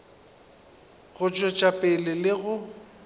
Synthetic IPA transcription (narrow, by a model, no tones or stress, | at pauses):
ɣʊt͡ʃʼɔt͡ʃʼapʼɪlɪlɪɣʊ